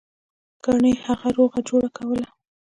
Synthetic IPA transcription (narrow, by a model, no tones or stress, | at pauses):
ɡ̥aɳəjhaɣaɾoɣad͡ʒoɽakawəla